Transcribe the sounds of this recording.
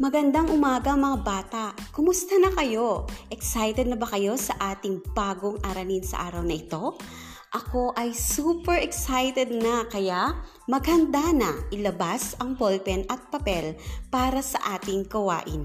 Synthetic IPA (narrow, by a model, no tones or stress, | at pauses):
mɐɡɐnd̪aŋʔʊmaːɡɐʔɐŋmɐŋabaːt̪aʔkʊmʊst̪ɐnɐkɐjo̞ʔɛksajt̪ɛd̪nɐbɐkɐjo̞sɐʔaːt̪ɪŋbaːɡoŋʔɐɾɐninsɐ̰ʔaːɾɐwnɐʔɪt̪o̞ | ʔɐko̞ʔɐjsuːpɛɹʔɛksajt̪ɛd̪̚nɐkɐjaʔ | mɐɡhɐnd̪anɐʔɪlɐbasɐŋbolpɛnʔɐt̪̚pɐpɛlpaːɾɐsɐʔaːt̪ɪŋɡɐwa̰ːʔɪ̰n